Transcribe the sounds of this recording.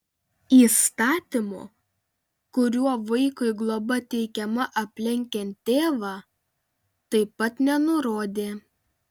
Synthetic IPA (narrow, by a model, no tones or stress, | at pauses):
iːst̪ɑːt̪ʲɪmo̰ː | kʊɾʲuɔʋɐɪkʊɪɡlˠobɐt̪ʲɛɪkʲɛmɐʔɐpʲlʲɛŋʲkʲɛnʲt̪ʲːeːʋɑː | t̪ɐɪpɐt̪nʲɛnʊɾoːd̪ʲeː